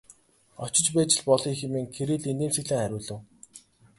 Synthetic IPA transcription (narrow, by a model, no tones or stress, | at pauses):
ɔt͡ɕɪ̆t͡ɕpæːt͡ɕɪ̆ɮpɔɮɞ̆ːxĕmeːŋkʰeɾiːɮent̪eːmsɘ̆ɣɮɘ̆ːŋχæɾʲʊːɮɘ̆w